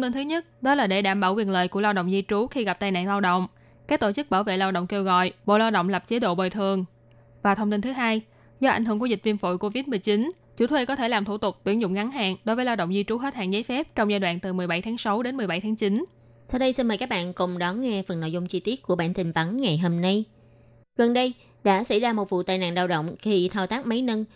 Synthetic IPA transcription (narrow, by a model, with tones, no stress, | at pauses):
wŋ͡mt̪i˧nt̪ʰɨ˨˦ɲə˦˥t̚ɗɔ˨˦laː˨˩ɗe˧˩ɗaː˧˩mɓaː˧˩wkwi˨˩ənləː˨˩jku˧˩əla˧wɗə̰˧˨wŋ͡mzi˧t͡ɕu˨˦xi˧ɣa˨˩p̚t̪aː˨˧jna̰ː˧˨ŋlaː˧wɗo̰˧˨wŋ͡m | kaː˦˥k̚t̪o˧˩t͡ɕɨ˦˥k̚ɓaː˧˩wvḛ˧˨laː˧wɗə̰˧˨wŋ͡mke˧wɣɔ̰˧˨jɓo̰˧˨laː˧wɗə̰˧˨wŋ͡mlə˨˩p̚t͡ɕe˨˦ɗo̰˧˨ɓo˨˩jt̪ʰɨ˨˩əŋ | vaː˨˩t̪ʰə˧wŋ͡mt̪i˧nt̪ɨ˨˦ɦaː˧j | zɔ˧ʔa˧˩jŋ̟ɨ˧˩əku˧˩zï˨˩k̚vi˧nfo̰˧˨jko˧vi˦˥t̚m˨˩əjt͡ɕi˨˦n | t͡ɕṵ˧˥˦t̪ʰwe˧kɔ˨˦t̪ʰe˧˩laː˨˩mt̪ʰu˧˩t̪ʊ˨˩k͡p̚t̪wi˧˩ənzʊ̰˧˨ŋ͡mŋa˨˦nɦa̰ː˧˨nɗo˨˦jvəː˨˦la˧wɗə̰˧˨wŋ͡mzi˧t͡ɕu˨˦ɦe˦˥t̚ha̰ː˧˨nzaː˨˦jfɛ˦˥p̚t͡ɕɔ˧wŋ͡mzaː˧jɗwa̰ː˧˨nt̪ɨ˨˩m˨˩əjɓa˧˩jt̪ʰaː˨˦ŋsa˨˦wɗe˨˦nmɨ˨˩əjɓa˧˩jt̪ʰaː˨˦ŋt͡ɕi˨˦n | saː˧wɗə˧jsi˧nməː˨˩jkaː˦˥k̚ɓa̰ː˧˨nkʊ˨˩ŋ͡mɗɔ˨˦nŋɛ˧fə˨˩nːo̰˧˨jzʊ˧ŋ͡mt͡ɕi˧t̪i˦˥ət̚ku˧˩əɓa̰ː˧˨nt̪ï˨˩ŋ̟p̪a˨˦nŋa˨˩jɦoː˧mna˧j | ɣə˨˩nɗə˧j | ɗa̰ː˧˥sa̰˧˥jzaː˧mo˨˩t̚vṵ˧˨t̪a̰ː˨jna̰ː˧˨nzaː˧wɗə̰˧˨wŋ͡mxi˧t̪ʰaː˧wt̪aː˦˥k̚mə˨˦jnə˧n